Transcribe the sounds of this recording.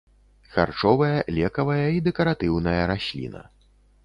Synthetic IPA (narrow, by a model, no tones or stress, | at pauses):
xa̰rt͡ʂɔvɐjɐlʲɛkɐvɐjɐid̪ɛkɐɾat̪ɨwnɐjɐɾasʲlʲḭnɐ̰